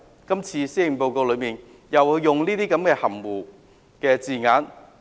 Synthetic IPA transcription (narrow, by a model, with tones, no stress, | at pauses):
kɐ˥mt͡sʰiː˧siː˥˨po˧wko˧wlɵ˨˧miː˨n | jɐ˨wɵ˧ɥjʊ˨˩ŋliː˥t̪iː˥kɐ˨˥mkɛː˧hɐ˨˩mwuː˨˩ | kɛː˧t͡siː˨˧ŋaː˨˥n